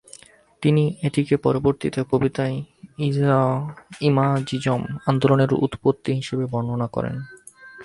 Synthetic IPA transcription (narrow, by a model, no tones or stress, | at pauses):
t̪inieʈikepɔɾoboɾt̪it̪okobit̪ajiaimad͡ʑid͡ʑomand̪oloneɾṵt̪pot̪ːiɦiʃebebɔnonakɔ̰ɾḛn